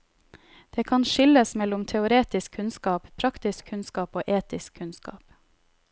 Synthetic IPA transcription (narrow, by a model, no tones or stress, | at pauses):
d̪̥eːkʰɑnʃɪləsmɛlʊmt̪ʰɛʊɾeːt̪ɪskʰʉnskɑːppʰɾɑkt̪ɪskʰʉnskɑːpoːʔeːt̪ɪskʰːʉnskɑ̰ːp